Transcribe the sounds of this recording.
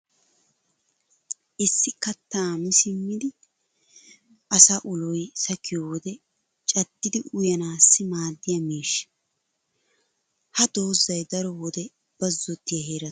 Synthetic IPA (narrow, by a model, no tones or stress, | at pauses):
ʔɪsːɪkɐt̪ːaːmɪsɪmːɪd̪ɪ | ʔɐsaːʔʊlɔjsɐkːɪjowɔd̪ɛ | t͡ʃʼɐɡːɪd̪ɪʔʊjɐnaːsːɪmaːd̪ːɪjɐmiːʃɪ̥ | hɐd̪oːzːɐjd̪ɐɾɔwɔd̪ɛ | b̥ɐzːɔt̪ːɪjɐɦeːɾɐt